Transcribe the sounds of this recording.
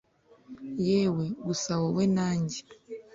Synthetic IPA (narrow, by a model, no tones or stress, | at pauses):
jɛweɡusawɔwɛnaɲɟi̥